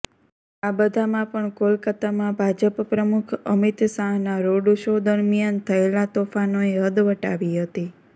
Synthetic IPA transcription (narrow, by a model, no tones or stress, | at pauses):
abəd̪ʱamãpəɳkolkət̪amãbʱad͡ʒəppɾəmukʰəmit̪sãɦnaɾoɽuʃod̪əɾmijant̪ʰəelat̪ofanoeɦəd̪ʋəʈaʋiɦət̪i